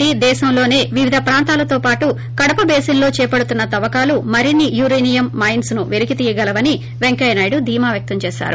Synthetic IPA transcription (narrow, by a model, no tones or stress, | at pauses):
id̪ɛːʃɐmlo̞ːne̞ːʋiʋid̪ʱɐpɾaːnt̪aːlɐt̪o̞ːpaːʈu | kɐɽɐpɐbeːsinlo̞ːt͡ʃɛːpɐɽut̪unːɐt̪ɐʋɐkaːlumɐɾinijuɾɐjnijɐmːɐjnsnuʋeɾikit̪iːjɐɡɐlɐʋɐni | ʋeŋkɐjnaːjɽud̪ʱiːmaːʋjɐk̚t̪ɐmt͡ʃɛːʃa̰ːɾu